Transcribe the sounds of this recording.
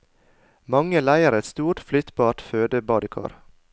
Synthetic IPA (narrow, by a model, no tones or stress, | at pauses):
mɑŋəlæɪəɾɛt̪st̪uːʈflʏt̪bɑːʈføːd̪əbɑːd̪əkʰɑ̰ːɾ